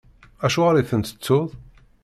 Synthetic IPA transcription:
æʃuʁɾiθənt̪ə̥t͡sːʊðˤ

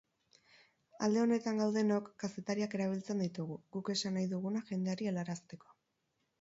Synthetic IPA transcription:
a̰ld̪e̞o̞ne̞t̪aŋɡawð̞e̞no̞kːase̞t̪aɾiake̞ɾaβ̞ilt͡se̞nd̪it̪uɣ̞uɣuke̞sanajðuɣ̞unaʝe̞nd̪e̞aɾielaɾast̪e̞ko̞̥

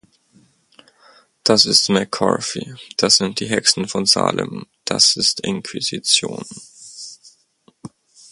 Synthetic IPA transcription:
d̥asɪstmɛkʰɔ̰ɹfid̥asz̥ɪnt̚d̥iːɦɛksn̩fɔnza̰ːlʔə̰md̥asɪstɪnkʰwizit͡sjoːn

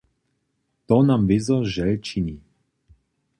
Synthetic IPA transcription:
t̪ɔnamvɪzɔʒɛlt͡ʃini

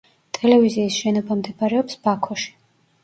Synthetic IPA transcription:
t̪ʼɛlɛviziːsʃɛnɔbamd̪ɛbaɾɛɔpsbakʰɔʃi̥

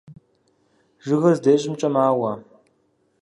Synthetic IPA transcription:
ʒɨɣɐzdeːɕʼɪmt͡ʃʼɐmaːwɐ

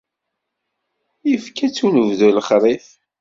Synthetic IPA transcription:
jəfkæt͡sːunəvðuləχɾˤiθ

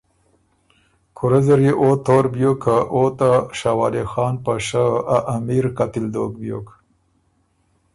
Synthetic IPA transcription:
kʰuɾazeɾjeʔot̪oːɾbjokʰaʔot̪aʃawɑːlexɑːnpaʂaaʔːmiɾkat̪ɪld̪oːkbjo̰ːk

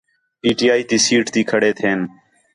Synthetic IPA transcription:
piːʈiːaːiːt̪iːsiːʈt̪iːkʰəɽeːt̪ʰeːn

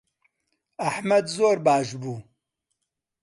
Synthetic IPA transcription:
ɐħmɐd̪zoːɾbaːʃbuː

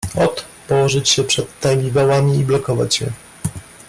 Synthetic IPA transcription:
ɔt̪ | pɔwɔʐɘt͡ɕɕɛpʂɛt̪ːajbʲivawamʲiːblɔkɔva̰t͡ɕjɛ̰

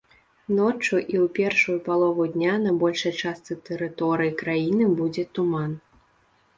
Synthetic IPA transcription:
nɔt͡ʂuʔiwpʲɛrʂujupalˠɔvud̪ʲnʲanɐbɔlʲʂɐjt͡ʂast̪sɨt̪ɛɾɨt̪ɔɾɨjikɾajinɨbud͡zʲɛt̪uman

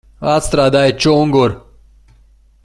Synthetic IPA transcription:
aːt͡st̪ɾaːd̪aːet͡ɕoːŋɡoɾ

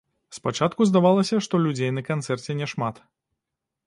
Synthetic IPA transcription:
spat͡ʂat̪̚kuzd̪avalˠɐsʲɐʂt̪ɔlʲud͡zʲejnɐkant̪sɛrt͡sʲɛnʲɛʂmat̪

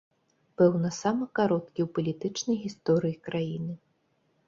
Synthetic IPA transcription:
pɛwnɐsamɨkaɾɔt̪kʲiwpɐlʲit̪ɨt͡ʂnɐjɣʲist̪ɔɾɨjikɾajinɨ

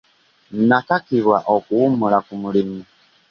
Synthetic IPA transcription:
n̩nakakiɾwaʔɔkuumuɾakumuɾimi

